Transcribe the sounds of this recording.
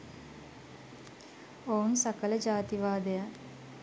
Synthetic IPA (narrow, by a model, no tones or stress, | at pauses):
ounsakələd͡ʒaːt̪iʋaːd̪eja